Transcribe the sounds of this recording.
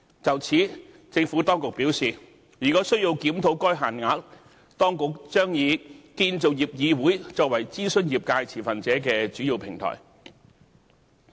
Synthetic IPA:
t͡sɐ˨wt͡sʰiː˨˥ | t͡sɪ˧ŋfu˨˥t̪ɔː˥ŋkʊ˨k̚piː˨˥wsiː˨˩ | jyː˨˩kɔː˨˥sɵ˥ɥji˧wkiː˨˥mt̪ʰo˨˧˥wkɔː˥jɦaː˨nŋaː˧˥k̚ | t̪ɔː˥ŋkʊ˨k̚t͡ʃœː˥ŋjiː˨˧kiː˧nt͡so˨wjiː˨p̚jiː˨˧wuː˨˥jt͡sɔː˧k̚wɐ˨˩jt͡siː˥sɵ˥njiː˨p̚kaː˧jt͡sʰiː˨˩fɐ˨nt͡sɛː˨˥kɛː˧t͡ʃyː˨˥jiː˧wpʰɪ˨˩ŋt̪ʰɔ̰ː˨˩j

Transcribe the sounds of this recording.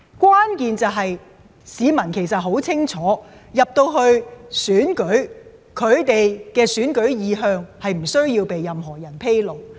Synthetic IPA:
kʷwaː˥nkiː˨˧nt͡sɐ˨wɦɐ˨j | siː˨˧mɐ˨˩nkʰe˨˩jsɐ˨t̚ɦo˨˥wt͡sʰɪ˥ŋt͡ʃʰɔː˨˥jɐ˨p̚t̪o˧wɦɵ˧ɥsyː˨˥nkɵ˨˥ɥ | kʰɵ˨˧ɥt̪e˨jkɛː˧syː˨˥nkɵ˨˥ɥjiː˨˧ɦœː˧ŋhɐ˨jm̩˨˩sɵ˥ɥjiː˧wpe˨jːɐ˨mɦɔː˨˩jɐ˨˩npʰe˥jlo˨w

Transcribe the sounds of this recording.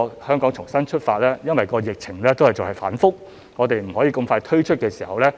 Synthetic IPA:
hœː˥ŋkɔː˨˥ŋt͡ʃʰʊ˨˩ŋsɐ˥nt͡ʃʰɵ˥t̚faː˧t̚lɛː˥jɐ˥nwɐ˨jkɔː˧jɪ˨k̚t͡sʰɪ˨˩ŋlɛː˥t̪o˥whɐ˨jt͡so˨whɐ˨jfa̰ː˨˥nfʊ˥k̚ | ŋɔː˨˧t̪e˨jm̩˨˩ɦɔ˨˥jiː˧kʊ˧mfaː˧jt̪ʰɵ˥ɥt͡ʃʰɵ˥t̚kɛː˧si̥ː˨˩hɐ˨wlɛː˥

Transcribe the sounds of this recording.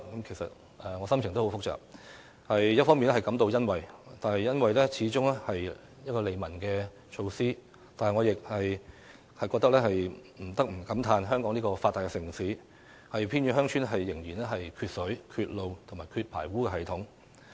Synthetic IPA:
kɐ˨˥mkʰe˨˩jsɐ̰˨t̚ | ɛː˨ŋɔː˨˧sɐ˥mt͡ʃʰɪ˨˩ŋt̪o˥ho˨˥wfʊ˥k̚t͡sœ̰ː˨k̚ | hɐ˨jjɐ˥t̚fɔ˥ŋmiː˨nɛ˥hɐ˨jkɐ˧˥mt̪o˧wjɐ˥nwɐ˨jt̪aː˨nhɐ˨˩jɐ˥nwɐ˨jlɛː˥t͡sʰiː˨˥t͡sʊ˥ŋɛ˥hɐ˨j | jɐ˥t̚kɔː˧le˨˧jmɐ˨˩nkɛː˧ | t͡ʃʰo˧wsiː˥ | t̪aː˨nhɐ˨jŋɔ˨˧jɪ˨k̚hɐ˨j | hɐ˨jkɔː˧kt̪ɐ˥klɛː˥ɦɐ˨jm̩˨˩t̪ɐ˥k̚m̩˨˩kɐ˨˥mt̪ʰaː˧nɦœː˥ŋkɔː˨˥ŋni˥kɔː˧faː˧t̪ːaː˨jkɛ˧sɪ˨˩ŋsiː˨˥ | hɐ˨jpʰiː˥nɥyː˧˥ɦœː˥ŋt͡ʃʰyː˥nɦɐ˨jːɪ˨˩ŋjiː˨˩nɛː˥ɦɐ˨jkʰyː˧t̚sɵ˨˥ɥkʰyː˧t̚lo˨wt̪ʰʊ˨˩maː˨˩jkʰyː˧t̚pʰa̰ː˨˩jwuː˥kɛː˧ɦɐ˨jt̪ʰʊ˨˥ŋ

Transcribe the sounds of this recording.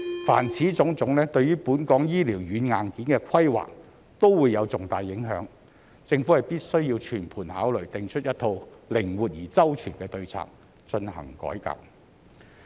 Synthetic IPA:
fa̰ː˨˩nt͡sʰiː˨˥t͡sʊ˨˥ŋt͡sʊ˨˥ŋlɛː˥t̪ɵ˧ɥjyː˥puː˨˥nkɔː˨˧˥ŋjiː˥liː˨˩wjyː˨˥nŋaː˨nkiː˨˥nkɛː˧kʷʰɐ˥jwa̰ː˨k̚ | t̪o˥wwuː˨˧jːɐ˨˧wt͡sʊ˨ŋt̪aː˨jːɪ˨˥ŋɦœ̰ː˨˥ŋ | t͡sɪ˧ŋfu˨˥hɐ˨˩jpiː˥t̚sɵ˥ɥjiː˧wt͡ʃʰyː˨˩npʰuː˨˩nhaː˨˥wlɵ˨˩ɥt̪ɪ˨ŋt͡ʃʰt̚jɐ˥t̪ʰo˧wlɪ˨˩ŋwuː˨t̚jiː˨˩t͡sɐ˥wt͡ʃʰyː˨˩nkɛː˧t̪ɵ˧ɥt͡sʰa̰ː˨k̚ | t͡ʃɵ˧nhɐ̰˨˩ŋkɔ̰ː˨˥jkɐ̰˨p̚

